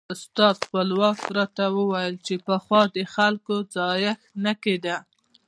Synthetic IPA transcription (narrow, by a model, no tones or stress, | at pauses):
ʊst̪ɑd̪xpəlwɑkɾɑt̪awəwajəlt͡ʃepəxwɑd̪əxalkod͡zɑjaxnaked̪a